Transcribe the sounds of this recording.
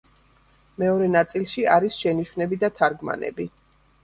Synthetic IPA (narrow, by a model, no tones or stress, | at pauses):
mɛɔɾɛnat̪sʼilˠʃiaɾisʃɛniʃwnɛbid̪at̪ʰaɾɡma̰nɛ̰bi